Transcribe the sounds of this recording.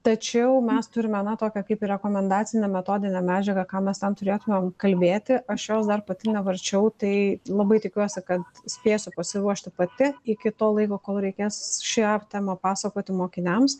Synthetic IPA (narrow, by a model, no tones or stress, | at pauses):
t̪ɐt͡ʃʲɛʊmʲɛst̪ʊɾʲɪmʲɐnɑt̪oːkʲɛkɐɪpiɾʲɛkoːmʲɛnd̪ɑːtt͡ssʲɪnʲɛmʲɛt̪oːd̪ʲɪnʲɛmʲæːd͡ʒʲɛɡɐkɑːmʲɛst̪ʲɛmt̪ʊɾʲeːt̪ʊmʲemkɐlʲbʲeːt̪ʲɪʔɐʃjoːsd̪ɐrpɐt̪ʲɪnʲɛʋɐɾʲt͡ʃʲɛʊt̪ɐɪlˠɐbɐɪt̪ʲɪkʲuɔsʲɪkɐt̪sʲpʲeːsʲʊpɐsʲɪɾuɔʃʲt̪ʲɪpɐt̪ʲɪɪkʲɪt̪oːlˠɐɪkoːkoːlˠɾʲɛɪkʲeːsʃʲɛpt̪ʲɛmɐpɑːsɐkoːt̪ʲɪmoːkʲɪnʲɛms